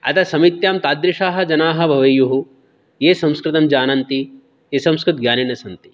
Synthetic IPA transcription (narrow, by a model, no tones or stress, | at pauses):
ɐ̰t̪ʰɐsɐmit̪jaːmt̪aːd̪ɾɪʂaːɦɐ̆d͡ʒɐnaːɦɐ̆bʱɐʋɐjuɦu | jeːsɐ̃mskɾɪt̪ɐmd͡ʒaːnɐnt̪i | esɐ̃mskɾɪt̪̚ɡjaːninɐsɐnt̪i̥